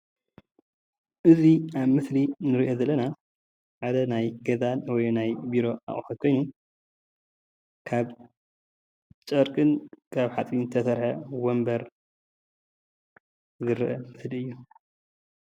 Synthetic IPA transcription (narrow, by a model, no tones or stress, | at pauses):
ʔɨziaβmɨslinɨɾiʔo̞zɐlːɐna | ʕad̪ɐnajɡɐzanwɔjnajbiɾo̞a̰χʼħot̪̚kʰo̞jnu | kʰaβ | t͡ʃʼɐɾkʼɨnkʰaβħat͡sʼint̪ʰɐsɐɾħɐwombɐɾ | zɨɾʔɐmɨsliɨjːu